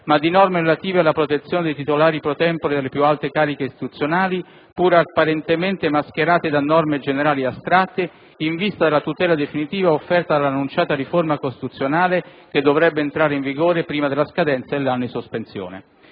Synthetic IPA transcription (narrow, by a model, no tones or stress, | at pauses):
mad̪ːinɔrmeɾelat̪iːvealːapɾot̪et̪sːjoːned̪ejt̪it̪olaːɾipɾot̪ɛmpoɾed̪elepjualt̪ekaːɾikeist̪i̥t̪ut̪sːjonaːli | puɾapːaɾent̪ement̪emask̟eɾaːt̪ed̪anɔrmed͡ʒeneɾaːliast̪ɾat̪ːe | iɱvist̪ad̪elat̪ut̪ɛːlad̪efinit̪iːvaofːɛrt̪ad̪alːanːunt͡ʃaːt̪ariformakost̪it̪ut̪sːjonaːleked̪ːovɾɛbːeːnt̪ɾaːɾeiɱviɡoːɾepɾiːmad̪elaskad̪ɛnt̪sad̪elːanːod̪isospensjo̰ːnḛ